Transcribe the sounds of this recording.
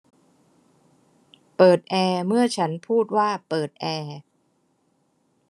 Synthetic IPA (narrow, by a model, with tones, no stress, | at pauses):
pɤː˨˩t̪̚ʔɛː˧mɯ˥˩ɐt͡ɕʰa˦˥npʰuː˥˩t̪̚waː˥˩pɤː˨˩t̪̚ʔɛː˧